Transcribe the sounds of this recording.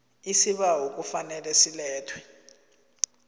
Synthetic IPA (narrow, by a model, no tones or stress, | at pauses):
isiɓaɦok̬ufanɛlɛsilɛːtʰwɛ̥